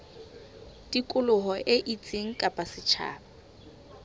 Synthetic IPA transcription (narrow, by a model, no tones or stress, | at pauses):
dikʼʊlʊɦɔʔeʔit͡sʼeŋ̩kʼapʼasɪt͡ʃʰa̰ːba